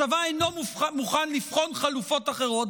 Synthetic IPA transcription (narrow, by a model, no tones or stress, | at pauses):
avaejnommuχanlifχo̞nχalufo̞taχeʁo̞t